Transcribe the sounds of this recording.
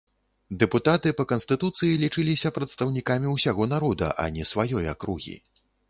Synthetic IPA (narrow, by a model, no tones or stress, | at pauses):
d̪ɛput̪at̪ɨpɐkɐnst̪ɨt̪ut̪sɨjilʲit͡ʂɨlʲisʲɐpɾɐt̪st̪ɐwnʲikamʲiwsʲaɣɔnaɾɔd̪ɐ̰ʔɐ̰nʲɛsvajɔja̰kɾuɣʲḭ